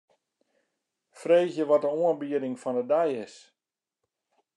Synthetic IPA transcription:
freːzjəʋɔt̚dəoənbiədɪŋfɔndədɛjɪs

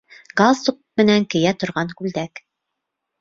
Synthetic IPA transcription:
ɡ̥ɑsuq̚mɘ̆næŋkɘ̆jæt̪ŏɾʁɑŋkʉld̪æk

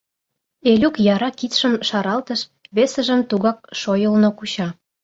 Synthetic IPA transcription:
elʲukjɑɾɑkit̪ʃəmʃɑɾɑlt̪əʃβesə̆ʒə̆mt̪uɣɑk̚ʃojəlnokut͡ɕɑ

